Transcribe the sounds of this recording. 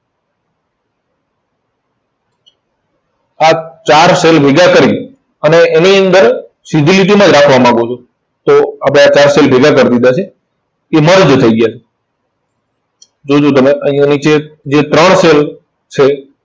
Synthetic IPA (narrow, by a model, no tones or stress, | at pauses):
at͡ʃaɾselbʱeɡakəɾi | əneʔːniənd̪əɾ | sid̪ʱiliʈ̬imãd͡ʒɾakʰʋamãɡot͡ʃʰo | t̪oapɽ̃eat͡ʃaɾselbʱeɡakəɾd̪id̪at͡ʃʰeː | məɾd͡ʒt̪ʰəiɡəjat͡ʃʰe | d͡ʒod͡ʒot̪əmeʔəĩjanit͡ʃed͡ʒet̪ɾəɳsel | t͡ʃʰe